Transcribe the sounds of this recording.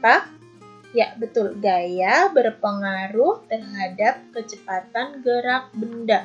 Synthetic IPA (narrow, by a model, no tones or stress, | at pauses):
pak̚ | jaʔbət̪ʊlɡajabərpəŋaɾʊht̪ərɦadap̚kət͡ʃəpat̪anɡəɾak̚bənda